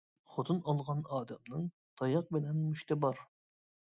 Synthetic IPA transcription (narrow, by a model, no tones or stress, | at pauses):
χot̪ʰɨnɑlˠʁɑnɑːd̪ɛmnɨŋ | t̪ʰɑjɑq̚bɪnɛnːuʃt̪ʰɪbɑɾ